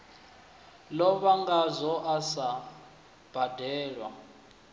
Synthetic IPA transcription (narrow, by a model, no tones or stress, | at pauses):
lɔβaŋɡazɔʔasa | b̥ʱad̥ʱɛːlwa̰